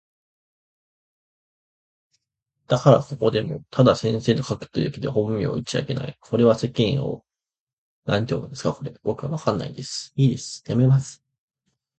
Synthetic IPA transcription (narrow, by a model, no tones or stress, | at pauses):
d̪̥akaɾaso̞ko̞d̪e̞mo̞̰t̪ʰad̪asẽ̞ɰ̃se̞ːd̪okakɯ̟̥t̪ːojɯked̪ehõ̞mːʲḭo̰it͡ɕia̰ke̞na̰ikʰo̞ɾe̞β̞ase̞kẽɰ̃o̞̰ | nãɲ̟it̪eoɯ̰d̪esɨ̥kako̞ɾe̞bo̞kɯβa̰βakanːa̰id̪e̞sɨ̥iːd̪e̞sɨ̥jame̞masɨ̥